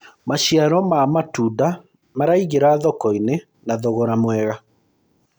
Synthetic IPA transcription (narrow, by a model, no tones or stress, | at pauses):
maɕiaɾɔmamatuda | maɾaiɣeɾaðɔkɔine | naðɔɣɔɾamwɛɣa